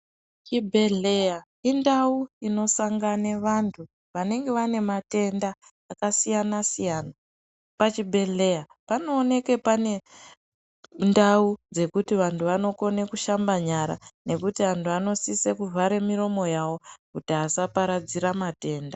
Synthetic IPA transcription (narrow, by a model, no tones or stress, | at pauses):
t͡ʃibʱe̞ɮeja | indauino̞saŋɡaneʋantʰu | ʋane̞ŋɡe̞ʋane̞mate̞ndaː | kasijanasijana | pat͡ʃibʱe̞ɮe̞ja | pano̞ːne̞ke̞pane̞ | ndaud͡ze̞kutiʋantʰuʋano̞ko̞ne̞kuʃambaɲaɾa̰ne̞kutiantʰuano̞sisekuvʱaɾe̞miɾo̞mo̞jawo̞kutiasapaɾad͡ziɾamate̞ːnda